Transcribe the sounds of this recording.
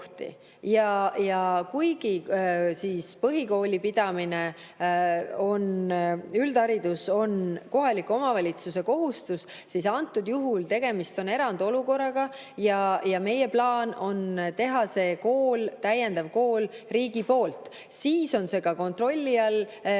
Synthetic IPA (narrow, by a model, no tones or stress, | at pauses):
ht̪ḭ | jɑjɑkujɡ̥isiːspɤɦiko̞ːlʲipid̪̥ɑmine | o̞nyld̪ɑɾid̪̥uso̞nko̞ɦɑlikːuo̞mɑvɑlʲit̪suse̞ko̞ɦust̪us | sisɑnt̪ːˑud̪juɦult̪e̞ɡ̥e̞mist̪o̞ne̞ɾɑnd̪̥o̞luko̞rːɑɡ̥ɑ | jɑjɑme̞je̞plɑːno̞nt̪e̞ɦɑse̞ko̞ːlt̪æjend̪̥ɑvko̞ːlriːɡipo̞ːlt̪ˑ | siːso̞nse̞ɡɑko̞nt̪ro̞lʲːiɑl